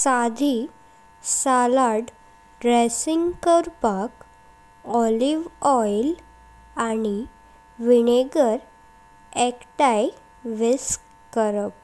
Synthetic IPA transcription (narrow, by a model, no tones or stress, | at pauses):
sad̪ʱi | salaɽ | ɖɾesiŋɡkəɾpak | ɔliʋɔjl | ani | ʋineɡəɾ | ɛkʈaj | ʋes | kəɾəp̚